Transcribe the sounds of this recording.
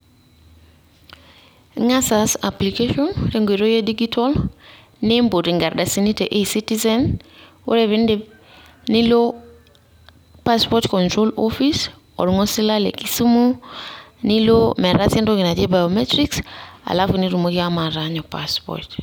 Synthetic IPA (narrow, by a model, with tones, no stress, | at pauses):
ŋa˦sa˨sa˨pli˨ke˦ʃɔ˦nɾe˦ŋɡwe˨ɾo˦je˦di˦ɡi˦tʰɔ˦l | ne˦mbo˨ti˨ŋɡa˨ɾda˨si˦ni˦te˨ʔe˦si˦ti˦zɛ˦n | o̰˦ɾe˨βɪ˦nde˦ | ni˦lo˦ | pa˦spɔ˦tkɔ˨ntɾo˦lɔfi˦s | ɔ̰˨ɾu˨ŋɔ˦sɪ˦la˦lḛ˨ki˨su˦mo˦ | ni˦lo˦mɛ˨ɾasjɛ˦nto˦ɡɪ˨na˨d͡ʒe˦ba˨jo˨mɛ˦tɾiksa̰˨la˦fu˨ni˦ɾu˨mo˦kɪ˦a˦ma˨ɾaɲɔ˨pa̰spɔ̰t